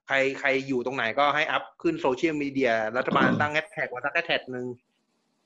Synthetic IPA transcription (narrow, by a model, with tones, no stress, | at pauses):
kʰa˧jkʰa˧jːuː˨˩t̪o˧ŋna˩˦jkɔː˥˩ɦa˥˩jʔa˦˥p̚kʰɯ˥˩nsoː˧t͡ɕʰi˥ə˨˩miː˧di˧ɐɾa˦˥t̪ʰːa˧baː˧nt̪a˥˩ŋʔɛ˦˥t̪̚ʰɛ˨˩k̚wa˧˩sa˦˥k̚ʔɛ˦˥t̪ʰɛ˨˩t̪̚nɯ˧ŋ